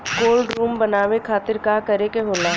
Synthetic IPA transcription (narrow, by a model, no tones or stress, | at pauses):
koːlɖɾuːmbɐnaːʋekʰaːt̪ɪɾkakɐɾekeɦoːlaː